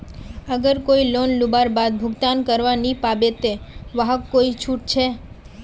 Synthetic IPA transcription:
əɡəɾkoilonlubaɾbad̪̚bʱʊɡt̪ankəɾʋanipabet̪eʋaɦəkːoit͡ʃʰuʈ̚t͡ʃʰe

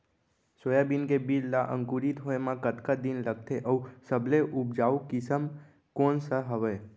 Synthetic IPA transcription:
sojabinkebiɾlaʔə̰̃ŋkuɾit̪ɦoemãkət̪kad̪inləɡ̚t̪ʰeʔəusəbʱleʔup̚d͡ʒaukisəm | konsəɦəʋe

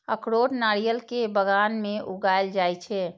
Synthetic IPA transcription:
əkɽoʈnaɾijəlkebəɡanmeʔuɡajld͡ʒajt͡ʃʰɛ

